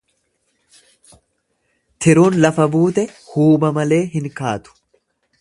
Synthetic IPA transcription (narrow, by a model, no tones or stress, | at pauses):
t̪ʰɪɾuːnlɐfɐbuːt̪ɛhuːbɐmɐle̞ːɦɪŋkaːt̪ʊ̥